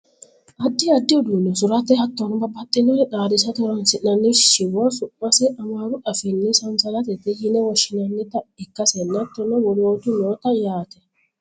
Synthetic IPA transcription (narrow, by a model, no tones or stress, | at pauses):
ʔɐd̪ːɪɐd̪ːɪɔd̪unɔsʊɾɐt̪ɛhɐt̪ːɔnɔbɐbɐt̪ʼːɪnɔɾɛᶑaːɾɪsɐt̪ɔɾɔnsɪʔnɐnːɪʃɪwɔsʊʔmɐsɛʔɐmaɾʊʔɐfɛnːɪsɐnsɐlɐt̪̬ɛt̪ɛhɪnɛwɔʃɪnɐnːɪt̪ɐɪkːɐsɛnːɐt̪ːɔnɔwɔɾoːt̪ʊnoːt̪ɐjaːt̪ɛ